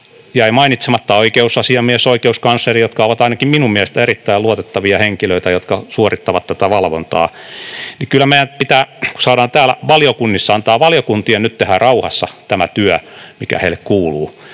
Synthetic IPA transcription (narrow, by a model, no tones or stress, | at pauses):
jɑeimɑinit̪semɑt̪ːɑoikeusɑsiɑmiesoikeuskɑnsːerijot̪kɑoʋɑt̪ɑinɑkimminummieæhest̪æerit̪ːæiluot̪et̪ːɑʋiɑheŋkiløit̪æjot̪kɑsuorit̪ːɑʋɑt̪t̪æt̪æʋɑlʋo̰nt̪ɑ̰ːnikylːˑæmeiænpit̪æːku̥sɑːdɑːnt̪æːlæʋɑljokunːisːɑɑnt̪ɑːʋɑljokunt̪ienyt̪t̪ehærɑuhɑ̰sːɑt̪æmæt̪yæmikæ̰hḛilekkuːluː